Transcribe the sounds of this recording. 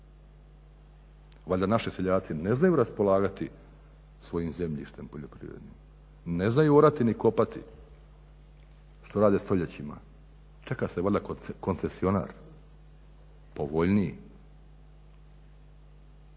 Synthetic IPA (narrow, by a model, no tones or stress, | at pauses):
ʋaʎʲd̪anaʃiseʎaːt̪sine̞znajuɾaspo̞lˠaːɡat̪i | sʋo̞jimze̞mʎḭʃt̪e̞mpo̞ʎopɾḭʋɾed̪nim | ne̞znajuoɾat̪iniko̞pat̪ḭ | ʃt̪o̞ɾaːd̪est̪o̞ʎet͡ɕima̰ | t͡ʃekaseʋaʎʲd̪akko̞nse̞sio̞na̰ːɾ | po̞ʋo̞ʎnii